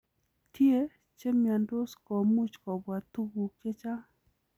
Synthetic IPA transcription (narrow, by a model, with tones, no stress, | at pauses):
t̪i˦e˦ | t͡ʃe˦mja˨ndo˦skɔ˨mu˦t͡ʃkɔ˨bwa˨t̪u˦ɡu˨ke˦t͡ʃa˦